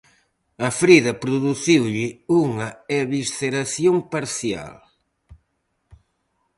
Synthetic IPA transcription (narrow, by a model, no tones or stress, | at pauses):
ɐfɾiðɐpɾuðuθiwʎɪuŋɐɛβisθeɾaθjompaɾθja̰l